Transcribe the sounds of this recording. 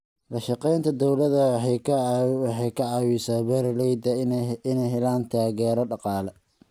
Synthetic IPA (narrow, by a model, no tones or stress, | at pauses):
lɐʃɑqɛjnt̪ʰɐd̪ɔwlɐðɐ | wɑħɑjkʰɐʕɑːwisaːbɛɾlɛjd̪ɐɪnɛjɦɛlaːnt̪ʰaːɣɛːɾɐɖɑqɑːlɛ